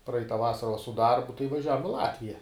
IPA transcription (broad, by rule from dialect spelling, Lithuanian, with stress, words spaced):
ˈprɐɪtɐ ˈʋɑːsɐrɐ ʋɐ sʊ ˈdɐrbʊ tɐɪ ʋɐˈʒʲæːʋoːm ɪ ˈlˠɑːtʲʋʲɪjɛ